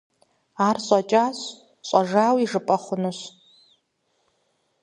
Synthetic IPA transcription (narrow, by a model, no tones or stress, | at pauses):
aːrɕʼɐt͡ʃʼaːɕ | ɕʼɐʐaːwiʐɨpʼɐχʷʊnɨɕ